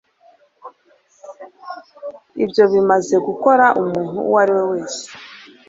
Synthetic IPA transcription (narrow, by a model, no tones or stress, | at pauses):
ibjo̞βimaze̞ɡuko̞ɾaʔumuːn̥hṵwaɾiwe̞we̞ːse̥